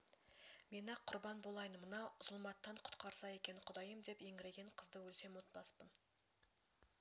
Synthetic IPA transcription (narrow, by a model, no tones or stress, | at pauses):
me̞nɪqʰʊɾbɑnbolˠɑjənmənɑʊzlˠmɑt̪ːɑɴqʰʊ̥t̪qɑɾsɑe̞kʲe̞nɪqʰʊd̪ɑjəmd̪e̞pjeŋɡɪɾe̞ɡʲe̞ɴqʰəzd̪əwɵlse̞mwo̞t̪̚pɑspən